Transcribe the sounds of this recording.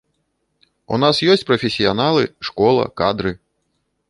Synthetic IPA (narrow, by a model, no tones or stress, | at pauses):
ṵnasjɔsʲt͡sʲpɾɐfʲesʲijanalˠɨʂkɔlˠɐ̰kad̪ɾɨ